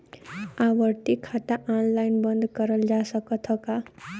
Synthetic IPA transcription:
awəɾt̪ikʰːat̪aʔanlajnbʌnd̪kʌɾəld͡ʒasʌkʌt̪ʰʌka

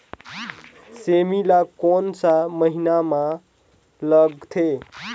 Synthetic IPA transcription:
semilakonsaməɦinamã | ləɡt̪ʰe

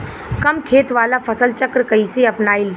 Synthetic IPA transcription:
kɐmkʰeːt̪ʋaːlafɐsəlt͡ʃɐkɾkɐiseɐpnaːil

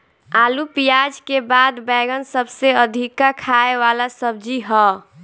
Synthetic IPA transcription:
alupijad͡ʒkebad̪bɛɡənsəbseəd̪ʱikakʰaeʋalasəbd͡ʒiɦɔ

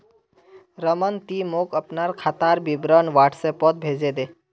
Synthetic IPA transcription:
ɾəmənt̪iːmokəpnaɾkʰat̪aɾbibɾənʋaʈʰsepɔt̪̚bʱed͡ʒed̪e

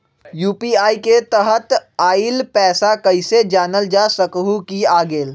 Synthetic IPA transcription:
juːpiːaːiket̪əɦət̪aːilpɛːsakəɪsed͡ʒaːnəld͡ʒaːsəkɦukiaːɡeːl

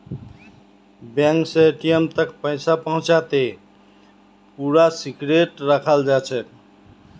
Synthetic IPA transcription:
bjãŋkseʈijemt̪əkpəɪsapəɦũt͡ʃat̪e | puɾasikɾeʈɾəkʰəld͡ʒat͡ʃʰɛ

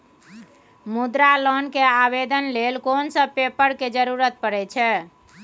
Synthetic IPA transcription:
mud̪ɾalɔnkeabed̪ənlelkonsə̃pepəɽked͡ʒəɾuɾət̪̚pəɾɛt͡ʃʰɛ

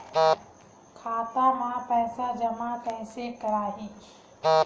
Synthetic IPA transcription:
kʰaːt̪amãpɛːsad͡ʒəmapəɦɪsekəɾaːɦiː

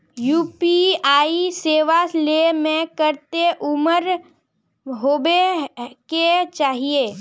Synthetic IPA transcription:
juːpiaːiseːʋalemẽkəɾt̪eʔʊməɾ | ɦoːbeket͡ʃaːɦieː

